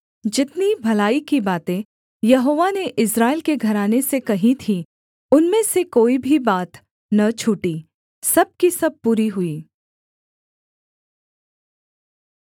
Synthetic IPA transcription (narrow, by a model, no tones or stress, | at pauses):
d͡ʒɪt̪nibʱɐlaːikibaːt̪ẽ | jɐɦoːʋaneʔɪsɾaːɪlkeɡʱɐɾaːnesekɐɦit̪ʰi | ʊnmẽsekoːibʱibaːt̪ | nɐt͡ʃʰʊːʈi | sɐb̚kisɐb̚puːɾiɦʊiː